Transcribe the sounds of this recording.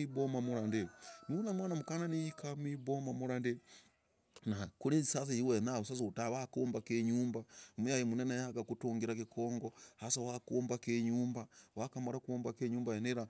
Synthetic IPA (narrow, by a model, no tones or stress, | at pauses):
ibomamuɾandenunamwaːnamukananijikamibomamuɾande | nakuɾezisaθijiwenausasoutawakoːmbakeɲuːmbamejajimunenajaɡakutuːŋɡiɾakikoːŋɡohasawakoːmbakeɲuːmbawakamaɾakuombakeɲuːmbaeneɾa